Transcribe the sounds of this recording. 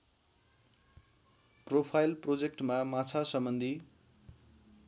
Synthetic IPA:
propʰajlprod͡zekʈmamat͡sʰasʌmbʌnd̪ʱi

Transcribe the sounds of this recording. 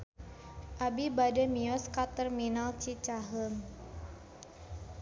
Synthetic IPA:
ʔabibadɛmiɔskat̪ərminalt͡ʃit͡ʃaɦəm

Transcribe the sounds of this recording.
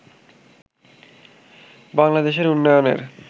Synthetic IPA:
baŋlad̪eʃ̬eɾunːojonḛɾ

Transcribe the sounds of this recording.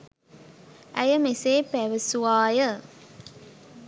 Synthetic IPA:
æjəmeseːpæʋəsuʋaːjə

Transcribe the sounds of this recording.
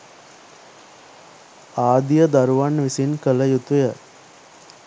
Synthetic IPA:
aːd̪ijəd̪aɾuʋanʋisinkələjut̪ujə

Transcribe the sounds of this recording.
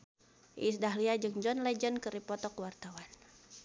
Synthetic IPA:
ʔḭsdaɦliad͡ʒɨŋd͡ʒɔnlɛd͡ʒənkɨɾipɔt̪ɔkwart̪awan

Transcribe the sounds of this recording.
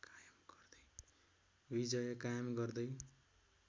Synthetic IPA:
kajmɡʌrd̪ʌj | bid͡zʌjʌkajʌmɡʌrd̪ʌj

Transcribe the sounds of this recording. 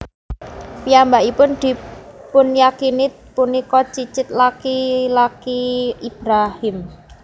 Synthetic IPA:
piambaʔipʊnd̪̥i̤pʊnjakini | punikɔt͡ʃit͡ʃɪt̪̚lakilakiib̥ɾahɪm

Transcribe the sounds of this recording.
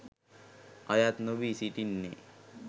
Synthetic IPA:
ʌjat̪nobisiʈinːḛ

